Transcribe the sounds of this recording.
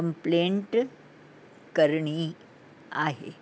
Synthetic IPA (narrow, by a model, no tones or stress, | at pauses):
əmpleɳʈ | kəɾɳi | aɦḛ